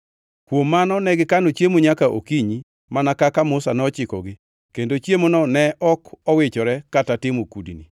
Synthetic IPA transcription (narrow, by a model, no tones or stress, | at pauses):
kwomːanɔnɛɡɪkanot͡ʃjemoɲakaʔo̰kiɲi | manakakamʊsanɛɔt͡ʃɪkɔ̰ɡɪ | kendot͡ʃjemonɔnɛʔɔkɔwɪt͡ʃɔɾɛkatatɪmokudḭnḭ